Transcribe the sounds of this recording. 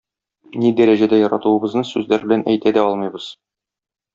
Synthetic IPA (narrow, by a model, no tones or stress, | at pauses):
nid̪æɾæʑæd̪æjɒɾɑt̪uɤ̆bɤ̆znɤsʉzlæɾbɘ̆lænʔæjt̪æd̪æɒlˠmɤ̆jbɤz̥